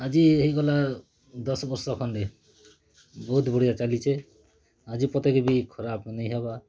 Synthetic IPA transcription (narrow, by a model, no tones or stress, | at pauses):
ad͡ʒiɦejɡɔla | d̪ɔsɔbɔɾsɔkʰɔnɖe | bɔɦut̪boɽit̪at͡ʃalit͡ʃʰe | ad͡ʒipɔt̪ekebikʰɔɾabnejɦɔba